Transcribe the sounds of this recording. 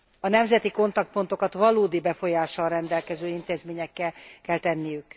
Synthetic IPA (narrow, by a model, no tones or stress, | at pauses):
ɒnɛmzɛt̪iko̞nt̪ɒk̚t̪̚po̞nt̪o̞kɒt̪ʋɒloːd̪ibɛfo̞jaːʃɒlrɛnd̪ɛlkɛzøːint̪eːzmeːɲɛkːɛlkɛlt̪ɛnːijyk